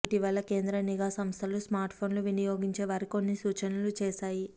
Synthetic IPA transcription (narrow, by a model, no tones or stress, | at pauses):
ʈiʋɐlːɐke̞ːnd̪ɾɐniɡaːsɐmst̪ʰɐlusmaːɾʈpʰo̞ːnluʋinɐjoːɡiɲt͡ʃe̞ːʋaːɾiko̞nːisuːt͡ʃɐnulut͡ʃeːʃaːji